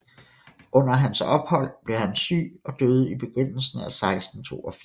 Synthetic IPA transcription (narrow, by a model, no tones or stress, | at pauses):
ʔɔ̽n̰ɐɦænsɒ̽b̥hɒ̽l̰b̥le̝hænsy̰ːɒ̽d̥øːð̞̩ˠib̥e̝ɡ̥ʁøn̰l̩sn̩æsɑ̈ɪsd̥n̩t͡sʰo̝̰ːɒ̽fi